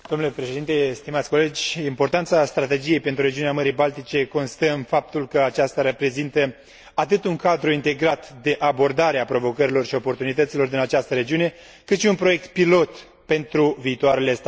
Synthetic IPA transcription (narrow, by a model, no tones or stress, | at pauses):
d̪̥omnule̞pɾe̞ʃe̞d̪int̪e̞st̪imat̪sʲko̞le̞d͡ʒʲimpo̞rt̪ant̪sast̪ɾat̪e̞d͡ʒije̞jpe̞nt̪ɾuɾe̞d͡ʒiuneaməɾijbalt̪it͡ʃe̞ko̞nst̪əɨmfap̚t̪ulkəat͡ʃast̪aɾepɾe̞zint̪ə | at̪ɨt̪uŋkad̪ɾuint̪e̞ɡɾat̪d̪e̞ʔabo̞rd̪aɾeapɾo̞vo̞kəɾilo̞rʃio̞po̞rt̪unit̪ət̪silo̞rd̪inat͡ʃast̪əɾe̞d͡ʒiune̞ | kɨt̪ʃiunpɾo̞je̞k̚t̪pilo̞t̪ | pe̞nt̪ɾuviːt̪oaɾelest̪